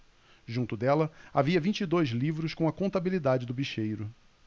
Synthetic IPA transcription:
ʒũnt̪ʊd̪ɛlɐaviɐvĩt͡ʃid̪ojzlivɾʊʃkõw̃ɐkõnt̪abilid̪ad͡ʒɪd̪ʊbiʃejɾʊ

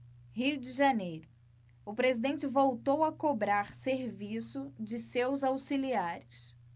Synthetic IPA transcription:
hid͡ʒɪʒanejɾʊ | ʊpɾezid̪ẽnt͡ʃɪvowt̪owɐkobɾaɾseɾvisʊd͡ʒɪsewzawsiliaɾʊs

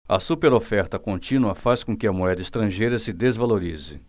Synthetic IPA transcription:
ɐ̰supeɾofɛɾt̪ɐkõnt͡ʃĩnuɐfaskõkɪɐmuɛd̪ɐist̪ɾɐ̃ʒejɾɐsɪd̪ezvaloɾizɪ̰

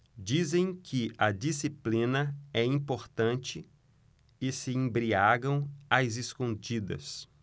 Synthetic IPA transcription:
d͡ʒizẽj̃kʰɪɐd͡ʒisiplĩnɐɛĩpoɾt̪ɐ̃nt͡ʃɪ | ɪsɪẽbɾiaɡɐ̃w̃azɪskõd͡ʒid̪ɐ̰s

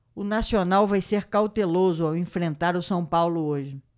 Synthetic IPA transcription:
ʊnasionawvajseɾkawt̪elozʊawẽfɾẽnt̪aɾʊsɐ̃w̃pawlʊoʒɪ

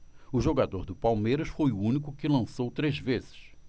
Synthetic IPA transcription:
ʊʒoɡad̪oɾd̪ʊpawmejɾɐsfojuũnikʊkɪlɐ̃sowt̪ɾezvezɪ̥ʃ

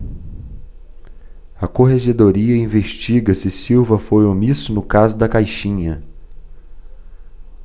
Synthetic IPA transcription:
ɐkoɦeʒed̪oɾiɐĩveʃt͡ʃiɡɐsɪsiwvɐfojomisʊnʊkazʊd̪ɐkajʃĩɲɐ

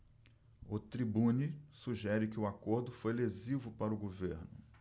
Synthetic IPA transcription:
ʊt̪ɾibũnisuʒɛɾɪkɪʊakoɾd̪ʊfojlezivʊpaɾʊɡoveɾnʊ

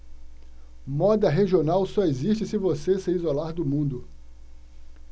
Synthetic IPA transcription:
mɔd̪ɐɦeʒionawsɔeziʃt͡ʃɪsɪvoseseizolaɾd̪ʊmũnd̪ʊ

